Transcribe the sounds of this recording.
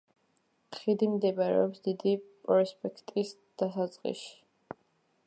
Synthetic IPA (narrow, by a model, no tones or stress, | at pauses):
χid̪imd̪ɛbaɾɛ̰ɔpsd̪id̪ipʼɾɔspʼɛkʰt̪ʼis | d̪̥asat̪sʼqʼḭʃi̥